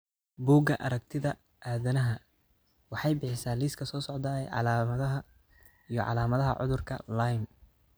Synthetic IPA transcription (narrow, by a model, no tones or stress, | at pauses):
buːɡɐʔɐɾɐk̚t̪ʰɪðɐ | aːðɐnɐɦɐ | wɑħɑjbɪħɪsaːliːskʰɐsɔːsɔʕd̪aːɛ̰jʕɑ̰laːmɐðɐɦɐ | ijɞ̰ʕɑ̰laːmɐðɐɦɐ̰ʕʊ̰ðʊrkʰɐ̰lajm